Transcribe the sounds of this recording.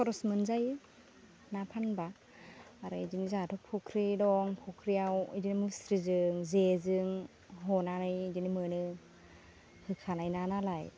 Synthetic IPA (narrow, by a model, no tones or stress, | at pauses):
pʰɔɾɔsmɯnzajɯ | napʰanbaː | ɾɯidinizatʰɔpʰukʰɾidɔŋpʰukʰɾiawidinimusɾizɯŋzezɯŋ | ɦɔnanɯjdinimɯnɯ | hɯkʰanajnanalaj